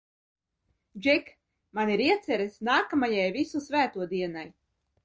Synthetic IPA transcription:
d͡ʒɛk | maniɾiɛt̪sɛɾesnaːkamajajvisusvæːt̪uɔd̪iɛnaj

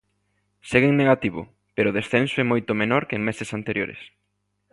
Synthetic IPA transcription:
seɣeŋneɣat̪iβʊ̰ | peɾʊðesθensʊɛmojt̪ʊmenɔɾkɪeŋmesɪsant̪eɾjo̰ɾḛs

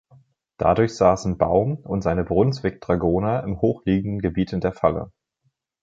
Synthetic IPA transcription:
d̥a̰dʊɐçz̥aːsn̩baʊmʊntz̥aɪnəbʁʊnt͡sv̥ɪk̚d̥ʁ̥aɡoːnəɪmhoːxliːɡŋ̩dn̩ɡəbiːtɪndeːɐfalə̰

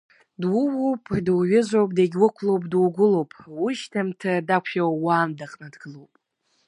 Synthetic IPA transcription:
dwʊwowpʼdwɥɪzʷowpʼdaɡʲwʊkʷʰlowpʼdwuɡʷʊlowpʼwuʃtʰamtʰadakʷʰawwaːmdaqʼnadɡɨlowpʼ

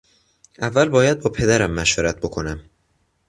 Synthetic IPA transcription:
ʔævːælbɒːjæd̪̚bɒːpʰe̞d̪æɾæmːæʃveɾæt̪̚bo̞kʰo̞næm

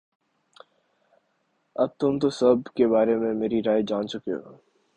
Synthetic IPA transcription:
ɐb̚t̪ʊmt̪osɐbkebaːɾemẽmeːɾiɾaːjd͡ʒaːnt͡ʃʊkeɦo̰ː

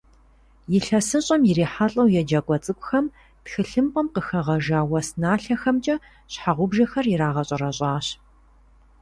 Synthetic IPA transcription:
jɪɬɐsɨɕʼɐmjɪɾiːħaɬʼɐwjɛd͡ʒɐkʷʼɔt͡sʼɨkʷʼxɐm | txɨɬɨmpʼɐmqəxɐʁɐʒaːwɐsnaːɬɐxɐmt͡ʃʼɐ | ɕħaʁʷʊbʒɐxɐrjɪɾaːʁɐɕʼɐɾɐɕʼaːɕ

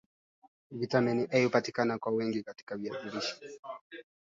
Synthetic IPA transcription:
vitaminiʔɛhupatikanakwawɛŋɡikati̥kaviaɗuɾiʃi̥

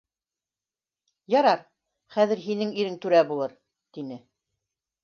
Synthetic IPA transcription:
jɑɾɑɾ | χæðɘ̆ɾɦinɘŋiɾɘŋt̪ʉɾæbulˠɤɾ | t̪inɘ

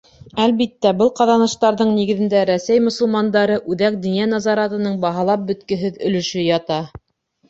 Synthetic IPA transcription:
ælβit̪ːæbɤlˠqɑðɑnɤ̆ʃt̪ɑɾðɤɴniɡɘ̆ðɘ̆nd̪æɾæsæjmŏsŏlˠmɑnd̪ɑɾɤʔʉðæk̚d̪injænɑzɑɾɑt̪ɤ̆nɤɴbɑɦɑlˠɑp̚bɵ̆t̪kɘ̆ɦɘðɵ̆lɵ̆ʃɵjɑt̪ɑ

